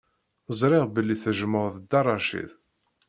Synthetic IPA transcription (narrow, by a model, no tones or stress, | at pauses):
zˤɾˤɪʁbəlːiθəʒəməʁðəd̪ɑrˤɑʃḭð